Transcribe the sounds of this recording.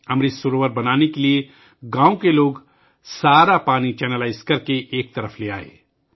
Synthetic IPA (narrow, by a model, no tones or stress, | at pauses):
ɐmɾisʊɾoːʋəɾbɐnaːnekelie | ɡãːõkeloːɡ | saːɾapaːnit͡ʃɛːnəlaːɪzkɐɾkeʔeːk̚t̪ɐɾəflea̰ːḛː